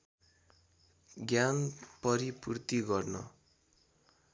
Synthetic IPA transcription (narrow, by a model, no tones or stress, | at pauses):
ɡjanpʌɾipurt̪iɡʌrnʌ̰